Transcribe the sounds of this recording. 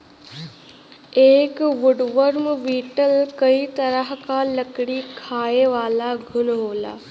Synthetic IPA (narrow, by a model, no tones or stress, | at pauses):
eːkʋuɖʋəɾmʋiːʈəlkəit̪əɾəɦkaləkɽikʰaːeʋaːlaɡʱʊnɦoːla̰ː